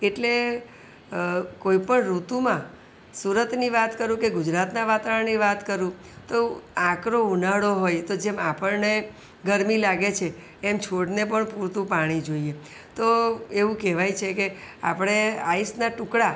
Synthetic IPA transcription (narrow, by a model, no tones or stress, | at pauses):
eʈle | koipəɳɾut̪umã | suɾət̪niʋat̪kəɾũkeɡʊd͡ʒɾat̪naʋat̪aʋəɳniʋat̪kəɾũ | t̪oãkɾounaɽoɦojt̪od͡ʒɛmapəɭne | ɡəɾmilaɡet͡ʃʰeː | mt͡ʃʰoɽnep̬əɳpuɾt̪ũpaɽ̃id͡ʒoie | t̪oeʋũkɛʋajt͡ʃʰekea̰pɽ̃eaisnaʈʊkɽa